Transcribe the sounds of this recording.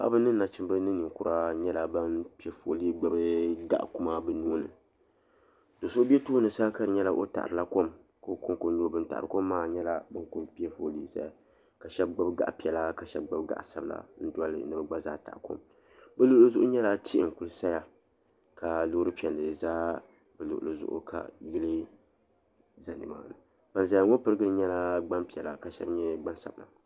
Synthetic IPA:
a˦ʔa̰˦bɨ˦nɨ˦nː˦a˨t͡ʃɨ˦m˦bɨ˦nɨ˦nɨ˨ŋkʊ˨ɾa˦ɲɛ˦la˨ba˦npi˦ɛ˦fo˨li˦ɡ͡ba˦bɨ˦ɡa̰˦ʔku˦ma˦bɨ˦nuː˦nɨ̰˨ | do˨so˦bɛ˦toː˦nɨ˨saː˦ka˦ɾɨ˨ɲɛ˦la˦ʔo̰˦ta̰˨ʔɾɨ˨la˦ko˦m | ko˦ko˦ŋko˨ɲo˦bɨ˦n˦ta̰˨ʔa˨ɾɨ˨ko˦mː˦aː˦˨ɲɛ˦la˦bɨ˦ŋko˦˨mpi˦ɛ˦fo˨liː˦sa̰˦ja˨ | ka˨ʃɛ˦b̚ɡ͡ba˦bɡa̰˨ʔpi˨ɛ˨la˦ka˨ʃɛ˦b̚ɡ͡ba˦bɡa̰˨ʔsa˦bɨ˨la̰˨n̩˦da˦lɨ̰˨˦nɨ˦bɨ˦ɡ͡ba˦zaː˦ta̰˨ʔko̰˦m | bɨ˦lʊ˦ʔlo˦zʊ˦ʔʊ˦ɲɛ˦la˦ti˦ʔɪ˨ŋ˨ku˦lɨ˦sa˦ja˦ | ka˨lo˦ɾɨ˦pi˨ɛ˨lːɨ˨zaː˦ | bɨ˨lṵ˨ʔʊ̰˨lo˨zʊ̰˦ʔʊ̰˦ka̰˨jɪ˦lɨ˦ | za˨nɨ˨ma̰˨˦˨la˨ | b̥a˨nza˨˦ja˨ŋo˦pɨ˦ɾɨ˦ɡɨ˦ɨ˦ɲɛ˦la˦ɡ͡ba˦mpi˨ɛ˨la˨ka˨ʃɛ̰˦bɲɛ˦ɡ͡ba˦nsa̰˨bɨ˨la̰˨

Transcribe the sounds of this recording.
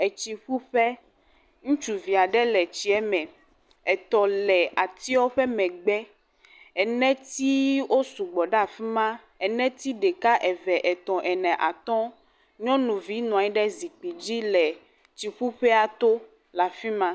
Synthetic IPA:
ɛ˨t͡ʃi˨ɸu˦ɸɛ˦ | ŋũ˦t͡ʃu˨vi˨a˨ɖɛ˦lɛ˨t͡ɕi˦ɛ˦mɛ̃˨ | ɛ˨t̪ɔ̃˨lɛ˨a˨t̪i˦wɔ˦ɸɛ˦mɛ̃˨ɡ͡bɛ˦ | ɛ˨nɛ̃˦t̪i˦wo˦su˨ɡ͡bɔ˨ɖa˦˨fi˦mã˦ | ɛ˨nɛ̃˦t̪i˦ɖɛ˨ka˦ʔɛ˨vɛ˨ʔɛ˨t̪ɔ̃˨ʔɛ˨nɛ̃˨ʔa̰˨t̪ɔ̃˦ | ɲɔ̃˦nũ˨vi˦nɔ̃˨a˨ɲi˦ɖɛ˦zi˨k͡pi˨d͡ʑi˦lɛ˨ | t͡ɕi˨ɸu˦ɸɛ˦a˨t̪o˦ | la˨fi˦mã˦

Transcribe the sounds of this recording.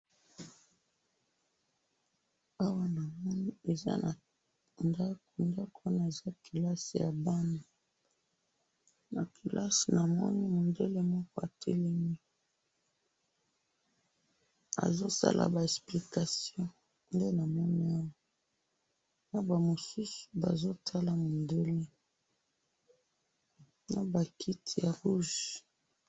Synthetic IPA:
a˦wa˦na˨mɔ˦ni˦e˨za̰˦na˨ | nda˦ko˨nda˦ko˨˦na˨e˨za˦ki˨la˦si˨ja˨ba˦na˨ | na˨ki˨lʔa˦si˨na˨mɔ̰˦ni˦mo˨nde˦le˦mɔ˦kɔ˦a˨tʰe˦le˦mi˦ | a̰˨zo˦sa̰˦la̰˨ba˨ɛ˨spli˨ka˨sjɔ̃˦ | nde˦na˨mɔ˦ni˦a˦wɔ˨ | na˨ba˨mo˨su˦su̥˨ba˨zo˦tʰa˦la˨mo˨nde˦le˦ | na˨ba˨kʰi˦tʰi˨ja˨ʁu˦ʒ

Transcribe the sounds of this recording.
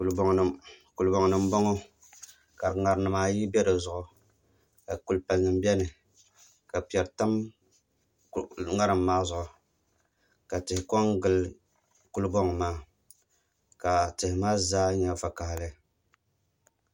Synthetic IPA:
u˨lbŋ˨ku˨lbɔ˨ŋ˨nɨ˨m˦bɔ˦ŋo˦ | ka˨ɾŋa˨ɾnɨ˨maː˦ji˦bɛ˦dɨ˨zʊ˨ʔʊ˨ | ka˨ku˨lpa˨lnɨ˨m˦bɛ˦nɨ˨ | ka˨pi˨ɛ˨ɾta˦m | ŋa˦ɾɨ˨mːaː˦zʊ˨ʔʊ˨ | ka˨tɪ˨hɪ˨kɔ˦ŋɡɨ˨l | ku˦lbɔ˦ŋ˨maː˦ | ka˨tɪ˨hɪ˨maː˦zaː˦ɲɛ˨va˨ka˨ha˨lɨ˦

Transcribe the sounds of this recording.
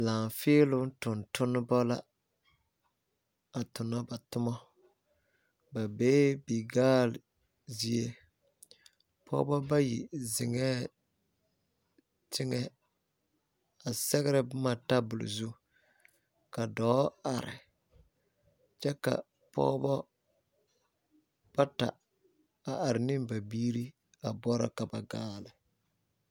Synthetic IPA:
laː˨n˨fɪː˦lʊ˦tʊ˨ntʊ˦nːɪ˦bɔ˦la˦ | a˨tʊ˨nɔ˦ba˨tʊ˦mɔ˦ | ba˨beː˦bi˨ɡaː˦l | zi˦e˦ | pʰɔ̰ː˦bɔ˦ba˦ji˨zɪ˨ŋɛː˦ | tɪ˦ŋɛ˦ | a˨sɛ˦ɣɪ˦ɾɪ˨bma˨ta˦bʊ˨l̰zu˦ | ka˨dɔː˨˦a˨ɾɪ̰˨ | t͡ʃɛ˦ka̰˨ | pɔ̰ː˦bɔ˦ | b̥a˦ta̰˨ | a˨ʔa˨ɾɪ˨nɪ˦mba˨biː˦ɾi˦ | a˨bɔ˦ɾa̰˦ka˨ba˨ɡaː˦lɪ˨

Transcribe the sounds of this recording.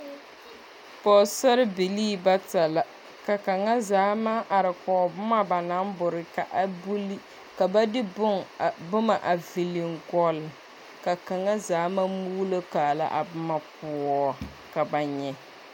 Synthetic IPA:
pɔ˨sa˦ɾɪ˦bi˨liː˦ba˦ta˨la˨ | ka˨ka˨ŋa˦zaː˨˦ma˦ʔa˨ɾɪ˨kɔː˨bʊ˦ma˦ba˨na˦mbʊ˨ɾɪ˨ka˨ʔa˨bu˦l | ka˨ba˦dɪ˦bʊ˦ŋbʊ˦ma˨ʔa˨vi˨li˨ŋɡɔ˦lɪ˨ | ka˨ka˨ŋa˦zaː˨˦ma˦muː˦lo˦kaː˨la̰˦ʔa˨bʊ˦ma˦pʊ˨˦ɔ˦ | ka˨ba˨ɲɛ˦

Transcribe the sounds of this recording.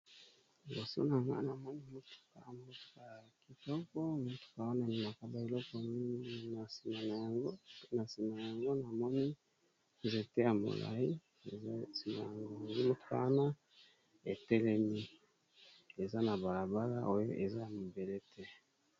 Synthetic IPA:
ɡo˨si˦o̰˦na˨ŋɡa̰˦na˨mɔ˦ni˦mo˦tu̥˨ka̰˨mo˦tu̥˨ka˨ja˨ki˨tɔ˦kɔ˦mo˦tu̥˨ka˨wa˦na˦˨ni˨ma˨ka˦ba˨i˨lɔ˦kɔ˨m˦˨na˨si˨ma˨na˨ja˨ŋɡo˦na˨si˨ma˨a˨ja˨ŋɡo˦na˨mɔ˦ni˦ | ze˨tɛ˦ja˨mo̰˨la̰˨i˦˨˦ | si˨ma̰˨a˨ɡŋɡo˦mo˦tu̥˨ka̰˨wa˦na˦ | e˨tɛ˦lɛ˦mi˦ | e˨za˦na˨ba˨la˨ba˦la̰˦ʔo˦jo˦ʔe˨za˦ja˨mo˨be˨le˦tʰɛ˦

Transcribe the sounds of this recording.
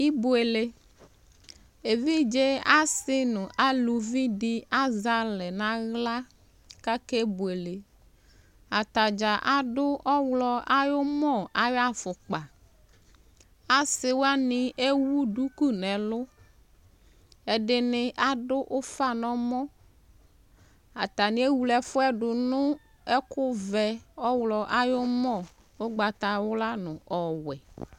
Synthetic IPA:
i˦bu˨e˨le˨ | e˨vi˦d͡ʒe˦a˦sɪ˦nʊ̃˨ʔa˦lu˨vi˦dɪ˦a˦za˦lɛ˨nã˦ɣla˦ | ka˦ke˦bu˨e˨le˨ | a˨t̪a˨d͡ʒa˨ʔa˨ɖʊ˦ʔɔ˦wlɔ˦a˦jo˦mɔ̃˦˨a˨ja˦fʊ˨k͡pa˨ | a˨sɪ˨wa˦nɪ˨e˦wu˦du˦ku˦nɛ˨lʊ˦ | ɛ˨ɖɪ˨nɪ˦ʔa˦dʊ˦ʔʊ˦fa˦nɔ˦mɔ̃˦ | a˨t̪a˨nɪ˦e˦wu˨lɛ˨fʊ˦ɛ˦ɖʊ˨nʊ˦ | ɛ˦kʊ˦vɛ˨ɔ˦wlɔ˨ʔa˦jʊ˦mɔ˦˨ | o˦ɡ͡ba˨t̪a˨wʊ˦la˦nʊ̃˨ʔɔ˨wɛ˨

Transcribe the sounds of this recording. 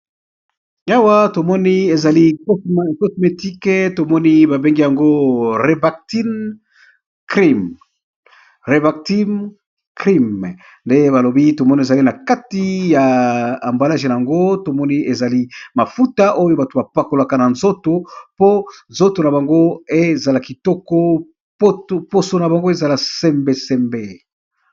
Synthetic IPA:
a˨wa˦to˨mɔ˦ni˦e˨za˨li˦ko˦sma˨e˨ko˦sme˨ti˦ke˦to˨mɔ˦ni˦ba˨be˦ŋɡi˦ja˨ŋɡo˦ʁe˨ba˨k̚ti˦n | kʁi˦m | ʁe˨ba˨kti˦m | kʁi˦m | nde˦ba˨lo˨bi˦to˨mɔ˦ni˨e˨za˨li˦na˨ka˦ti˦jaː˨mba˨la˦ʒe˨na˨ja˨ŋɡo˦to˨mɔ˦ni˦e˨za˨li˦ma˨fu˦ta˦ʔo˦jo˦ba˨to˨ba˨pa˨ko˨la˨ka˨na˨nzo˦to˨po˦nzo˦to˨na˨ba˨ŋɡo˦e˦za˨la˨ki˨tɔ˦kɔ˦ | po˦tpo˦so˨na˨ba˨ŋɡo˦e˦za˨la˨sɛ˦mbe˨sɛ˨mbe˨

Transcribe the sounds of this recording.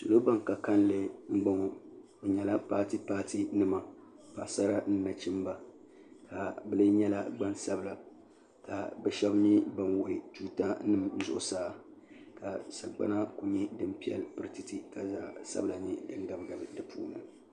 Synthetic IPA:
so˨lo˦ba˦ŋka˨ka˦n˦lɨ˨ŋ͡m̩˦ɡ͡ba˦ŋo˦ | o˨ɲɛ˨la˦pa˦ti˦paː˦ti˦nɨ˦ma˨ | pa˨sa˦ɾa˦n̩˦na˨t͡ʃi˦mba˨ | ka˨bɨ˨˦lɨ˦ɲɛ˦la˦ɡ͡ba˦nsa˦bɨ˨la˨ | ka˨bɛ˨ʃɛ˦bɲi˦ba˨nwo˨ɪ˨tu˦ta˦nɨ˦mn̩˦zʊ̰˨ʔʊ̰˨saː˦˨ | ka˨sa˨ɡ͡ba̰˦na˦ku˨ɲi˦dɨ˦mpi˦ɛ̰˨lpɨ˦ɾɨ˦tɨ˦ti˨ka˨za˦sa̰˦bla˨nɨ˨dɨ˨ŋɡa˨bɡa˨bdɨ˨pṵː˦nɨ˨

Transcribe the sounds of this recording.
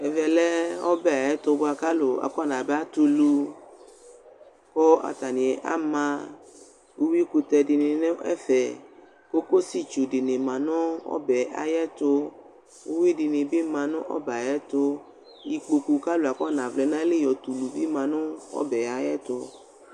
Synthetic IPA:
ɛ˨vɛ˨lɛ˦ɔ˦bɛ˦a˨jɛ˦t̪ʊ˧bo˦a˨ka˦lo˨a̰˨kɔ˦˨nã˨bɛ˦a˦t̪u˧lu˧ | kɔ˦a̰˨t̪a˨nĩ˨ɛ˨ʔa̰˦mã˧ | wo˦wi˦ku˧t̪ɛ˧di˨˧nɪ̃˨nẽ˦ɛ̰˦fɛ˨ | ko˦ko˦si˦t͡ʃu˨di˨nɪ̃˨mã˨nʊ̃˦ɔ̰˦bɛ˨a̰˨jɛ˦t̪ʊ˧ | wo˦wi˦di˨nɪ̃˨bi˦mã˨nʊ̰̃˦ʔɔ̰˦ba˨jɛ˦t̪ʊ˧ | ji˨k͡po˧ku˧ka˦lo˨a˨kɔ˦˨nã˨vlɛ˨nã˦le˦˨jɔ˨t̪u˨lu˨bi˦mã˨nʊ̃˦ɔ̰˦bɛ˨a˨jɛ˦t̪ʊ˧

